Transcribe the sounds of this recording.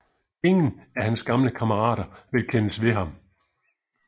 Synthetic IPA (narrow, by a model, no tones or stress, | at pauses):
e̝ŋn̩æhænsɡ̥ɑ̈mləkʰɑməʁɑ̰̈ːɾɐʋe̝lkʰenəsʋe̝ɦɑ̈m